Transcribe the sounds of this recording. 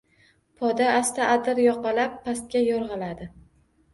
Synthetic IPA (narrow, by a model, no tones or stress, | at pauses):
pʰɒd̪aːst̪aʔad̪ɪɾjɒqɑlapʰːast̪̚kʲajɒɾʁɑlad̪ɪ